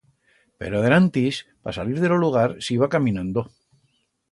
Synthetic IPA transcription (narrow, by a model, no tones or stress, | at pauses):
pḛɾoaðeɾant̪ispa̰saliɾðeloluɣ̞aɾsiβakamĩnãnd̪o